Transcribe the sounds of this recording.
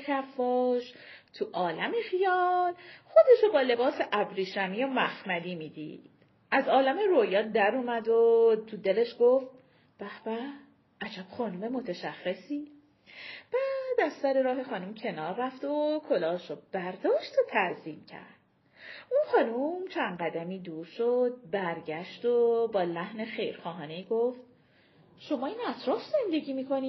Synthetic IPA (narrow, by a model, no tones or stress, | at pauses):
cʰæfːɒːʃ | t̪ʰuʔɒːlæmexijɒːlxo̞d̪e̞ʃobɒːle̞bɒːseʔæbɾiːʃæmijomæxmæd̪iːmiːd̪ḭːd̪̥ | ʔæzɒːlæme̞ɾojɒːd̪æɾuːmæd̪ot̪ʰud̪ele̞ʃɡ̥oft̪̚ | b̥æhb̥æ | ʔæd͡ʒæb̥xɒːnume̞mo̞t̪ʰeʃæχːesiː | b̥æd̪æzsæɾeɾɒːɦe̞xɒːnumcʰe̞nɒːɾːæft̪okʰo̞lɒːʃob̥æɾd̪ɒːʃt̪ot̪ʰæziːmcʰæ̰ɾd̪̥ | unxɒːnumt͡ʃʰænɢæd̪æmiːd̪uːɾʃod̪̚bæɾɟæʃt̪obɒːlæhne̞xe̞jɾxɒːɦɒːne̞jiːɡoft̪̚ | ʃo̞mɒːinæt̪ʰɾɒːfze̞nd̪e̞ɟiːmiːkʰo̞niː